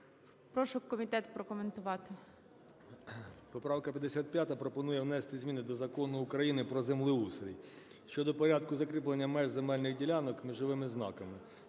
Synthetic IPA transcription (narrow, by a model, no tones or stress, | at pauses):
pɾɔʃʊkɔmʲit̪ɛt̪pɾɔkɔment̪ʊʋɑt̪ɪ | pɔpɾɑwkɐpʲjɐd̪esʲat̪̚pʲjat̪ɐpɾɔpɔnujɛwnɛst̪ɪzʲmʲinɪd̪ɔzɐkɔnʊːkɾɐjinɪpɾɔzemlˠɪuseɾʲijʃt͡ʃɔd̪ɔpɔɾʲad̪kʊzɐkɾɪplˠenʲːɐmɛʒzemɛlʲnɪxdʲilʲanɔkmʲiʒɔʋɪmɪznɑ̰kɐmɪ